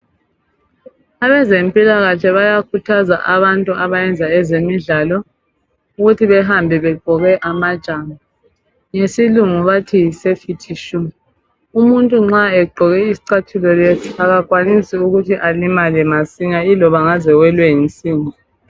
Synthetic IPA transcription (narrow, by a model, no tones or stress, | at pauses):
aβɛzempʼilaɣaɬʰɛβajakʰutʰazaʔaβantʼuaβajɛnd͡zʱaɛzemiɮalɔ | uɣutʰiβɛɦambʱɛβɛɡ͡ǃʱɔɣɛʔamad̥ʒ̥ʱama | ŋesiluŋuβatʰisefitʰiʃum | umuntʼuŋ͡ǁaɛɡ͡ǃʱɔɣɛisi̥ǀatʰulɔletʰuaɣakʼwanisiuɣutʰiʔalimalɛmasiɲailɔβaŋazɛwɛlwɛint͡sʼiːŋɔ